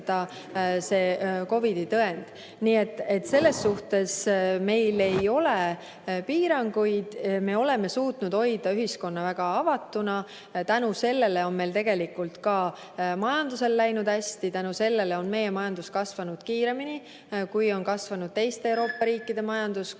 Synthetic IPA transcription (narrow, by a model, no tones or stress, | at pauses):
d̪̥ɑ | se̞ːko̞vid̪̥it̪ɤe̞nd̪̥ | niːe̞t̪ːˑe̞t̪ːse̞lːe̞sːuht̪e̞sme̞jle̞jo̞le̞ | piːɾɑŋɡujd̪̥me̞o̞le̞me̞suːt̪nud̪̥ho̞jd̪̥ɑyɦisko̞nːɑvæɡ̥ɑɑvɑt̪ːˑunɑ | t̪ænuse̞lːe̞leo̞nme̞jlt̪e̞ɡ̥e̞likult̪kɑː | mɑjɑnd̪use̞lːæjnud̪̥hæsʲt̪it̪ænuse̞lːe̞leo̞nme̞je̞mɑjɑnd̪̥uskɑsvɑnud̪̥kiːɾe̞mini | kujo̞nkɑsvɑnud̪̥̚t̪e̞jst̪eewɾo̞ːpːɑɾiːkːˑid̪e̞mɑjɑnd̪̥us